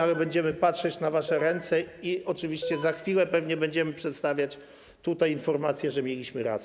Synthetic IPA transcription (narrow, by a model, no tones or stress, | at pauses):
alɛbɛɲd͡ʑɛmɘpatʂɛt͡ɕnavaʂɛɾɛnt̪sɛiɔt͡ʂɘvʲiɕt͡ɕɛzaxfʲilɛpɛvɲɛbɛɲd͡ʑɛmɘpʂɛt̪st̪avʲjat͡ɕ | t̪ut̪ajinfɔɾmat̪sʲjɛʐɛmʲjɛlʲiɕmɘɾa̰s